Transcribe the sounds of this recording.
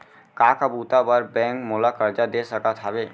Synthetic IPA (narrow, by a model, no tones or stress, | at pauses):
kaːkabuːt̪abəɾbɛ̃ːŋkmoːlakəɾd͡ʒad̪eːsəkət̪ʰabeː